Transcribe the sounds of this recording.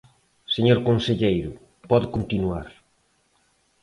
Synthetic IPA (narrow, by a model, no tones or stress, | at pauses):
seɲoɾkonseʎejɾʊ | pɔðkont̪inuaɾ